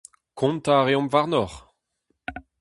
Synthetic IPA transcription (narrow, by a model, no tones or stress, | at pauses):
kʰɔ̃nt̪aʁeɔ̃mvaʁnɔʁ